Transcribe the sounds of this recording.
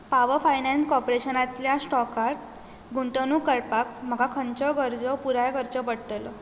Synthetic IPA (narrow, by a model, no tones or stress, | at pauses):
paʋəfajnanskɔpɾeɕənat̪ljasʈɔkaɾʈ | ɡʱuɳʈənuːkəɾpak̚m̤əɡakʰənt͡ɕɔɡəɾd͡zɔpuɾajɡəɾt͡ɕɔpəɽʈəlɔ